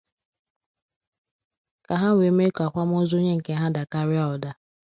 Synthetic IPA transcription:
ka˨ɦa˦ŋʷe˨me˦ka˨kʷa˦m̩˦o˦zo˦ɲe˦ŋ̩˨ke˦ɦa˦da˨ka˦ɾɪ˦a˦ɔ˨da˦

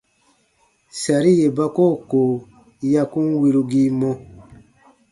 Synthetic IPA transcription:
sa˨ɾi˦je˨ba˦ko˦˨ko˨ | ja˧kũ˦nwi˧ɾu˧ɡi˦mɔ̃˧

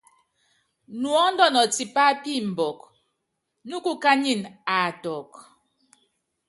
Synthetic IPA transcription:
nwɔ˨˦n̩˦dɔ˦˨nɔ˨ti˨pa˦pi˦˨m̩˨bɔ˨k̚ | nu˦ku˦ka˦ɲi˦˨na˨tɔ˨k

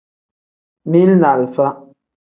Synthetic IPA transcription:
mi˦lna˨lfa˦

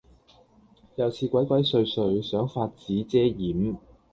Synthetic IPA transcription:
jɐ˨˧wt͡sʰiː˧kʷɐ˨˥jkwɐ˨˥jsɵ˧ɥsɵ˧ɥsœː˨˥ŋfaː˧t̚t͡siː˨˥t͡sɛː˥jiː˨˥m

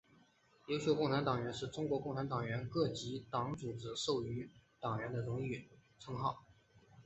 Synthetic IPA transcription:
jo˥ʊɕjo˥˧ʊkʊ˥˩ŋʈ͡ʂʰa˧˥nt̪ɑ˨˩ŋɥɛ˧˥nʂɻ̩˥˩ʈ͡ʂʊ˥ŋkwɔ˧˥kʊ˥˩ŋʈ͡ʂʰa˧˥nt̪ɑ˨˩ŋɥɛ˧˥nkɤ˥˩t͡ɕi˧˥t̪ɑ˧˥ŋʈ͡ʂu˨˩ʈ͡ʂɻ̩˨˩ʂo˥˩ʊy˧˥t̪ɑ˨˩ŋɥɛ˧˥nd̪ə˧ɻʊ˧˥ŋ˥i˥˩t͡sʰɤ˥ŋxɑ˥˩ʊ

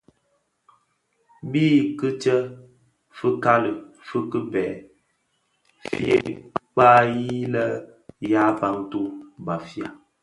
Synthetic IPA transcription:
biː˦˨kɨ˦t͡ʃə˦ | fɨ˦ka˦lɨ˨ | fɨ˦kɨ˦bɛ˨˦ | fḭ˦ḛ˦k͡paː˦ji˦lə˦ja˦pa˨ŋ˦tu˦ba˨fi˨a˨

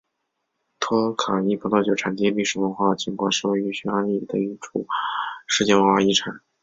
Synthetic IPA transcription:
t̪ʰwɔ˥kʰa˨˩i˥˩pʰt̪ɑ˥˧˩t͡ɕjo˨˩ʈ͡ʂʰa˨˩nt̪ji˥li˥˩ʂɻ̩˨˩wə˧˥nxwa˥˩t͡ɕi˨˥ŋkwa˨˩nʂɻ̩˥˩we˥˩ɪy˧˥ɕy˧˥a˥ni˥˩d̪ə˧i˥˩ʈ͡ʂʰu˨˩˦ʂɻ̩˥˧t͡ɕjɛ˥˩nwə˧˥xwa˥˧i˥˩ʈ͡ʂʰa̰˨˩˦n

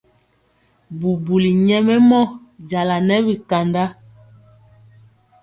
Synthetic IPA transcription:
bu˨bu˨li˨ɲɛ˦mɛ˦mɔ˦d͡ʒa˨la˨nɛ˦bi˨ka˨nda˦

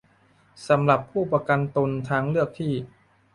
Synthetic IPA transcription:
sa˩˦mɾa˨˩pʰːuː˥˩pɾa˧ka˧nt̪o˧nt̪ʰaː˦˥ŋlɯ˥˩ək̚t̪ʰiː˥˩

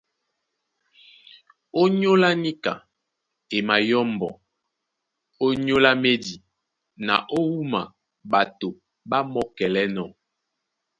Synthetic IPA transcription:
o˦ɲo˦la˦ni˦ka̰˨ | e˨ma˨jɔ˦mbɔ˨ | o˦ɲo˦la˦me˦di˨ | na̰˨ʔo˦wu˦ma̰˨ | ba˨to˨ | ba˦mɔ˦kɛ˨lɛ˦nɔ˨

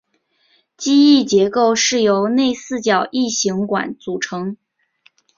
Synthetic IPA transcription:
t͡ɕi˥i˥˩t͡ɕjɛ˧˥ko˥˧ʊʂɻ̩˥˩jo˧˥ʊne˥˧ɪsɹ̩˥˩t͡ɕjɑ˨˩ʊʔi˥˩ɕi˧˥ŋkwa̰˨˩nt͡su˨˩ʈ͡ʂʰɤ˧˥ŋ

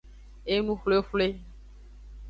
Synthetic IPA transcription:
e˦nũ˦xlo˦e˦fle˦

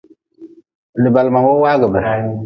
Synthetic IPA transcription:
lə˨ba˨lma˨wo˦wa˦ɡə˨bə˨ɾa˦ju˦

